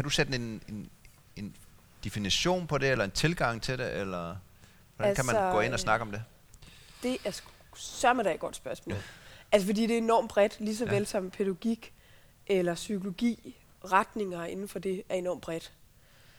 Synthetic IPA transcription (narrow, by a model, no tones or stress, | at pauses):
kʰæd̥used̥e̝nen | e̝n | d̥efiniɕo̝̰ːnpʰɒ̽d̥e̝elɐe̝nt͡sʰe̝lɡ̥ɑ̈ŋ̰t͡sʰe̝ɾ̥e̝ʔelɐ | ʋɒd̥æælkʰæsmæ̥ɔ̰ːe̝n̰ɒsnɑ̈ɡ̥əɒ̽md̥e̝ | d̥e̝ʔæɐs | sɶɐmænd̥æɪ̥ɡ̥ɒ̽d̥sb̥ɶɐsmɔ̰ːlælsəfɒ̽d̥ḭːd̥e̝æe̝nɒ̰ːmb̥ʁɛd̥lis̬ɒ̽ʋelsɒ̽m̰pʰeɾæɡ̥iɡ̥ | ʔelɐsykʰo̝lo̝ɡ̥ḭː | ʁad̥ne̝ŋɐe̝nn̩fɒ̽d̥e̝æɐe̝nɒ̰ːmb̥ʁɛd̥